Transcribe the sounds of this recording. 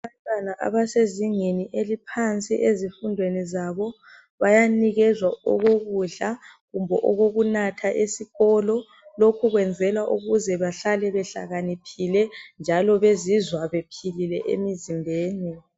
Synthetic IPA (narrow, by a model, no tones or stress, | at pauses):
aβantʼwanaʔa̰βaseziŋeniʔelipʰant͡sʼḭʔezifundʱwenizaβɔ | βajaniɣɛzwaɔ̰ɣoɣuɮaɣumbʱɔʔɔɣoɣunatʰaʔesiɣɔlɔ | lokʰuɣwɛnd͡zʱɛlwaʔuɣuzɛβaɬalɛβɛɬa̰ɣanipʰilɛnd͡ʒʱalɔβezizwaβepʰililɛʔḛmizimbʱeːni